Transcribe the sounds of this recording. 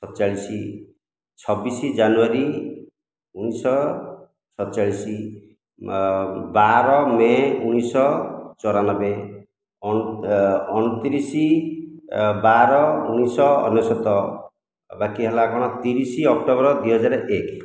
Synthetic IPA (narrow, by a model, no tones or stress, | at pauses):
sɔt̪t͡ʃaɭisi | t͡ʃʰɔbisid͡ʒanuaɾi | unisɔ | sʰɔt̪t͡ʃaɭisi | baɾɔmeuñisɔt͡ʃɔɾanɔbe | ɔñut̪iɾisi | baɾɔuñisɔ̰ːnːɔsɔt̪ɔ | bakiɦelakɔɽ̃ɔt̪iɾisiɔk̚ʈɔbɔɾɔd̪iɦɔd͡ʒaɾek